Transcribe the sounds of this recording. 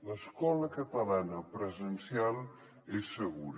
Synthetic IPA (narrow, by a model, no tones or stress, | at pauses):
ləskɔləkət̪əlanəpɾəzənsialˠ | esːəɣuɾ